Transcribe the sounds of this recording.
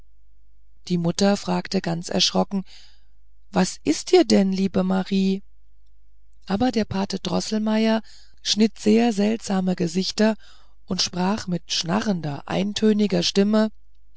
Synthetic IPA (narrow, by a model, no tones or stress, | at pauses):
d̥iːmʊtɐfʁ̥aːktəɡant͡sɛ̰ɐʃʁ̥ɔkŋ̩ | vasʔɪstʔiːɐdɛnliːbəmaʁiː | ʔaːbɐdeːɐpʰaːtəd̥ʁɔ̰sl̩maɪɐ | ʃnɪtz̥eːɐzɛltz̥aːməɡəzɪçtɐ | ʔʊntʃpʁ̥aːχmɪtʃna̰ʁəndɐ̰ʔa̰ɪntʰøːnɪɡɐʃtɪmə